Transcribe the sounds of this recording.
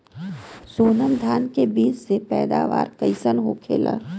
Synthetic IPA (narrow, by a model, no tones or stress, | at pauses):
soːnəmd̪ʱaːnkebiːt͡ʃsepɛːd̪a̰ːʋa̰ːɾkəɪsənɦokʰḛːla̰